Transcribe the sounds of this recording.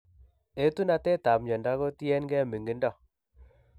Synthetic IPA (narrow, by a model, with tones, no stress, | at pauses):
e˦tu˦na˨tɛ˦ta˨pɲɔ˨nda˦ko˦ti˦ɛ˦nɡɛ˦˨mi˨ŋɡi˦ndɔ˦˨